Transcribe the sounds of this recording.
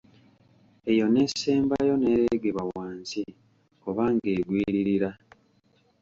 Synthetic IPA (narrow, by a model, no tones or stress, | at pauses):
e̞jo̞ne̞ːseːmbajo̞ne̞ːɾeɡeβawaːnsi | oβaŋɡeːɡwiːɾiɾiɾa